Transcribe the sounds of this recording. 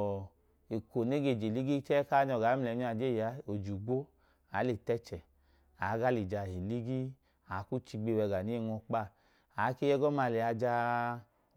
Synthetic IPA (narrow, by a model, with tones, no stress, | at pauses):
e˨ko˨ne˦ɡe˧˨d͡ʒe˨li˦ɡi˦t͡ʃɛ˦ka˦ɲɔ˧˨ɡa˨˦m˧lɛ˨˦ɲɔ˦a˨d͡ʒe˦˨ja˨˦o˨d͡ʒu˨ɡo˦ | a˨˦le˨tɛ˦t͡ʃɛ˨ | a˨˦ɡa˦li˨d͡ʒa˧˨he˨li˦ɡi˦ | a˨˦ku˦t͡ʃi˧ɡ͡be˧˨wɛ˧˨ɡa˨ni˦e˦˧ŋɔ˧k͡pa˦˨ | a˨˦ke˦jɛ˦ɡɔ˦ma˧le˨a˧d͡ʒa˧